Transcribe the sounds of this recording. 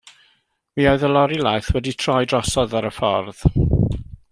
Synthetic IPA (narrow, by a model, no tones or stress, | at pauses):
wiːɔɨðəlɔɾilajθwɛditʰr̥ɔjdrɔsɔðaɾəfɔ̰rð̥